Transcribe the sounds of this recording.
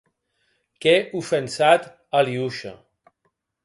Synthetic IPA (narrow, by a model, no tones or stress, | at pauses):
kɛufensat̪ | aliuʃa̰